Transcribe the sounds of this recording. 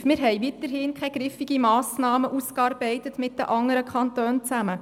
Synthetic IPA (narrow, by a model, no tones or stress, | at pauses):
mɪɾɦɛjʋitəɾhɪnkʰχɛjɡ̥ɾɪfiɡ̥imɑːsnɑːməʔuskɑɾbɛɪtətmɪt̚d̥ə̰ʔɑŋəɾəkʰχɑntøːnt͡sæmə